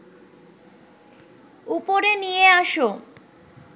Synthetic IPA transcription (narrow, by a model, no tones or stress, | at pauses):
upoɾenijeaʃo